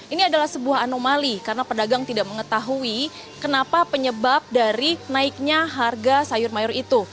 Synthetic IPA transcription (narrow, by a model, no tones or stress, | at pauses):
ʔiniadalahsəbuaɦanomalikarənapədaɡaŋt̪idaʔ̚məŋət̪aɦui | kənapapəɲəbap̚daɾinaɪk̚ɲaɦarɡasajʊrmajɔrit̪u